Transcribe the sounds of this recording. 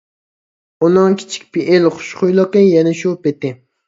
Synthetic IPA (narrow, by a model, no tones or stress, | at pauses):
unɨŋkʲʰi̥t͡ʃʰi̥k̚ʲpʰiʔelχʊ̥ʃqʊjlˠəqəjɛnɪʃupet̪ɪ